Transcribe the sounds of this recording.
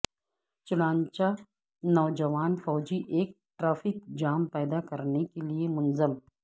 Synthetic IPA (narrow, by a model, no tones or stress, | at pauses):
t͡ʃʊɽãːɲt͡ʃa | nɔːd͡ʒəʋaːnfɔːd͡ʒiʔeːk̚ʈɾaːfɪk̚d͡ʒaːmpɛːd̪akɐɾnekeliemʊnzəm